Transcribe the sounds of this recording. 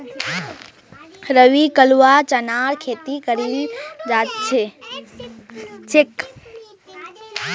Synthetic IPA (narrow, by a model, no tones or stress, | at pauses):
ɾəʋikəluwat͡ʃənaɾkʰet̪ikəɾid͡ʒat̪̚t͡ʃʰe | t͡ʃek